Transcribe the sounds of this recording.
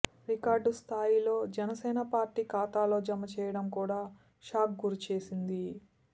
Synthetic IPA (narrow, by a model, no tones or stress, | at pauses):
ɾikaːɾɖst̪ʰaːjilo̞ːd͡ʒɛnɐsɛːnɐpaːɾʈiːkaːt̪aːlo̞ːd͡ʒɐmɐt͡ʃɛːjɐɽɐmkuːɽaː | ʃaːk̚ɡuɾut͡ʃe̞ːsind̪i